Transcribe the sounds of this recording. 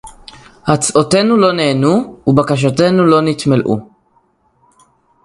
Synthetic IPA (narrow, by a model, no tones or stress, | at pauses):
hat͡sʔote̞nulo̞neːnuːbakaʃ̬ate̞nulo̞nit̪melʔṵ